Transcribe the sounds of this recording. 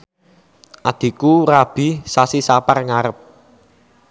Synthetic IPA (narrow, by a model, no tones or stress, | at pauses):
ʔad̪̥i̤kurab̥i̤sasisaparŋaɾəp̚